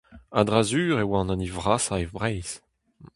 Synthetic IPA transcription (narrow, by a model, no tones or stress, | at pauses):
ad̪ʁazyːʁewãnɑ̃nivʁasaevbʁɛjz̥